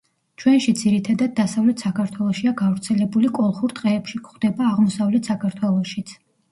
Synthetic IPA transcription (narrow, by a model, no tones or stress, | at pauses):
t͡ʃʰwɛnʃid̪ziɾit̪ʰad̪ad̪̚ːasavlɛt̪ʰsakʰaɾt̪ʰwɛlˠɔʃiaɡavɾt̪sʰɛlɛbulikʼɔlˠχuɾt̪ʼqʼɛːpʃikχd̪ɛbaːʁmɔsavlɛt̪ʰsakʰaɾt̪ʰwɛlˠɔʃit̪sʰ